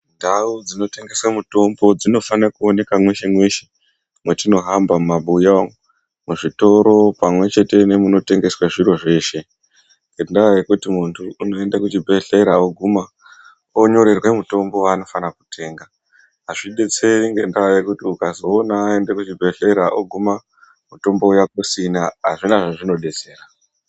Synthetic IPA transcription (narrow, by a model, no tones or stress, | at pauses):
ndaud͡zino̞te̞ŋɡe̞swamuto̞mbo̞d͡zino̞fanakuone̞kamwe̞ʃemweʃe | mwetino̞ɦambammaɓujao | muʐito̞ɾo̞pamwe̞t͡ʃe̞te̞ne̞muno̞te̞ŋɡe̞swaʐiɾo̞ʐe̞ːʃe̞ | ŋɡendaajekutimuntʰuːno̞e̞ndakut͡ʃibʱe̞ɬe̞ɾaoɡʱuma | oɲo̞ɾe̞rwe̞muto̞mbo̞ano̞fanaku̥te̞ːŋɡaː | ʐiɗe̞t͡se̞ɾiŋɡendaʋajekutiukazo̞ːnaːe̞ndekut͡ʃibʱe̞ɬe̞ɾaʔoɡʱuma | muto̞mbo̞ujakosinaːʐinaʐaʐino̞ɗe̞t͡se̞ːra